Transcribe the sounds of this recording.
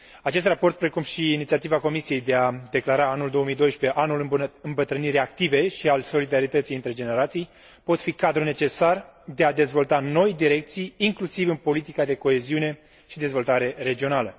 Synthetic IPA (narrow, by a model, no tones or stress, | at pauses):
at͡ʃe̞s̬t̪rapo̞rt̪̚pɾe̞kumʃiːnit̪siat̪ivako̞misije̞jd̪e̞ad̪e̞klaɾaanuld̪o̞omijd̪o̞jʃpe̞ʔanulɨɨmbət̪ɾɨniɾʲak̚t̪ive̞ʃialso̞lid̪aɾit̪ət̪sijɨnt̪ɾe̞d͡ʒe̞ne̞ɾat̪sij | po̞t̪fikad̪ɾune̞t͡ʃe̞sard̪e̞ad̪e̞zvo̞lt̪ano̞jd̪iɾe̞k̚t̪sijːŋklusivɨnpo̞lit̪ikad̪e̞ko̞e̞ziune̞ | ʃid̪e̞zvo̞lt̪aɾe̞ɾe̞d͡ʒio̞nalə